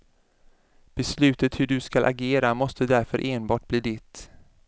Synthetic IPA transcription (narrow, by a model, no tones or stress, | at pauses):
b̥ɛslʉ̟ːt̪ət̪hɵɖɵskalʔa̰ɡeːɾamɔst̪əd̪æɾfœɾʔeːnbɑːʈ̚b̥liːd̪ɪt̪